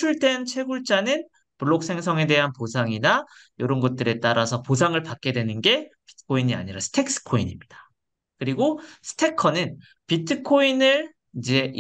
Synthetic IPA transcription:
t͡ɕʰuɭde̞nt͡ɕʰe̞ɡuɭt͡ɕ͈anɯn | puɭːok̚s͈ʰe̞ŋsʰʌŋe̞de̞ɦanposʰaŋina | joɾʌnɡʌt̚t͈ɯɾe̞t͈aɾasʰʌposʰaŋɯɭpak͈̚e̞dwe̞nɯnɡe̞pi̥tʰɯ̥kʰoiɲia̰ɲiɾasʰɯ̥tʰe̞k̚s͈ɯ̥kʰoḭɲimɲid̥ḁ | kɯɾiɡosʰɯ̥tʰe̞kʰʌnɯn | pitʰɯkʰoinɯɭ | id͡ʑe̞

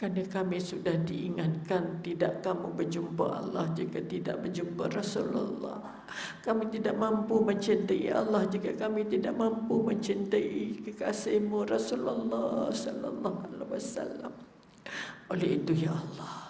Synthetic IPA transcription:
kanakamisudahdiʔiŋankant̪idaʔkamubərd͡ʒumpa̰ʔa̰lːɑhd͡ʒikat̪ida̰ʔbərd͡ʒumparasula̰lːɑ̰h | kamit̪idaʔmampuməɲt͡ʃint̪əḭʔalːɑhd͡ʒiɡakamit̪idaʔmampuməɲt͡ʃint̪əʔikəkasehmurasulalːɑsɔla̰lːɑɦalawasa̰lːa̰m | olɛɦit̪ujaʔalːɑh

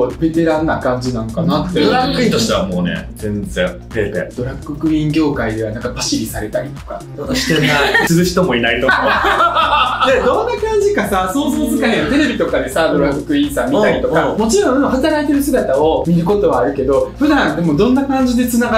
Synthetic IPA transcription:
obe̞t̪e̞ɾãnːakãɲ̟d͡ʑinãnokanat̪ːeɾakːɯĩt̪oɕi̥t̪eβamoːnḛd͡zẽ̞nd͡zẽd̪et̪ḛd̪̥o̞ɾakːɯkɯ̟ĩŋɡʲo̞ːkaid̪e̞βanãŋkabaɕiɾʲisaɾe̞t̪aɾʲit̪o̞̥ka̰ | oɕi̥t̪eat͡sɨɾɯ̟ɕi̥t̪o̞mo̞inait̪okao | d̪ed̪õ̞nːakãɲ̟d͡ʑikasasookat̪e̞ɾe̞bʲit̪o̞kad̪e̞sad̪o̞ɾakkɯ̟ĩɰ̃samʲːit̪aɾʲit̪o̞kamo̞t͡ɕiɾõɯnõhat̪aɾait̪e̞ɾɯ̟sɨɡat̪ao̞mʲiɾɯ̟ko̞t̪o̞βaːɾɯ̟ke̞d̪o̞ɸɯ̟d̪ãnt̪emod̪õ̞nːakãɲ̟d͡ʑid̪e̞t͡sɨnaɡ

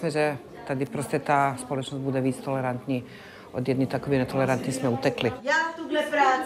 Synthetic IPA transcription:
smɛʒɛ | t̪ad̪ipɾɔscɛt̪aːspɔlɔt͡ʃnɔzɟbud̪ɛʋiːt͡st̪ɔlɛɾant̪ɲiː | ʔɔd̪jɛd̪nit̪akɔʋinɛt̪ɔlɛɾant̪ɲismɛut̪ɛklijat̪uɡlɛpɾaː

